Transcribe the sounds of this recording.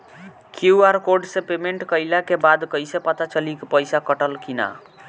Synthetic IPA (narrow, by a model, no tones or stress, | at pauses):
kʰuuaɾkoɾɖsẽpemeɳʈkəjlakebad̪kəijsepət̪at͡ʃəlikepəjsakəʈəlkina̰